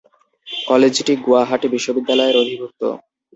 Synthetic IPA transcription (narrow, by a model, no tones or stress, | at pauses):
kɔled͡ʑʈiɡoaɦaʈebiʃːobid̪ːalɔeɾod̪ʱibʱuk̚t̪o̰